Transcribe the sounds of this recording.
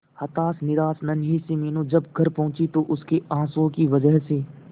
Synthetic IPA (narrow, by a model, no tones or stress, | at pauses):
hɐt̪aːsnɪɾaːsnɐnɦisemeːnũd͡ʒɐb̚ɡʱɐɾpɐɦʊ̃t͡ʃit̪oʔʊskeãːsõkiʋəd͡ʒəɦseː